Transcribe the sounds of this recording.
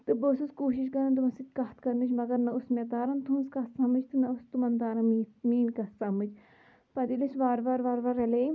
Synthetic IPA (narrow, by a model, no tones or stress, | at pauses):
t̪ɨboːsɨskoːʃiʃ̬kɐɾɐnt̪umɐsit̪ʲkɐɦt̪ʰkɐɾnɨt͡ʃʰmɐɡɐɾnɐusmet̪aːɾɐnt̪unskɐt̪sɐmɨt͡ʃt̪ɨnɐust̪umɐnd̪aːɾɐmiːmiːnkɐt̪sɐmɨd͡ʒ | pɐd̪ilisʋaːɾʋaɾʋaːɾʋɐɾɐleː